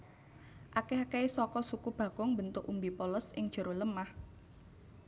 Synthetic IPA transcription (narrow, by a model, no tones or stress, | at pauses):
ʔakeɦakeisɔkɔsukub̥ä̤ɡ̥ʊŋbənt̪ʊkumbipɔləsɪŋʒ̥ə̤ɾoləmah